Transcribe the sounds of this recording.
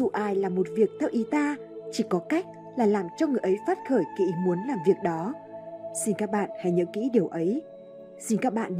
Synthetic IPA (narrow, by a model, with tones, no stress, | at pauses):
u˧˩ʔaː˨˩jlaː˨˩mo˨˩t̚vi˨˩ək̚t̪ʰɛ˧wʔi˨˦t̪aː˧ | t͡ɕi˧˩kɔ˨˦ka˦˥jk̟̚ | laː˨˩laː˨˩mt͡ɕɔ˧ŋɨ˨˩əjʔə˨˦jfaː˦˥t̚xəː˧˩jkḭ˧˥mu˨˦ənlaː˨˩mvi˨˩ək̚ɗɔ˨˦ | si˧nkaː˦˥k̚ɓa̰ː˧˨nha˧˩jɲə̰˧˥ŋkḭ˧˥ɗi˨˩əwʔə˨˦j | si˧nkaː˦˥k̚ɓa̰ː˧˨n